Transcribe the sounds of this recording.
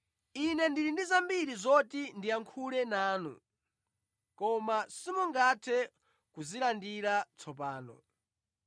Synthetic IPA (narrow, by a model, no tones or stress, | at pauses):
inɛndilindizambiɾizɔtindiaŋkʰulɛnaːnṵ | kɔmasimuŋɡatʰɛ | kuzilandiɾat͡sʰɔp̬aːnɔ̰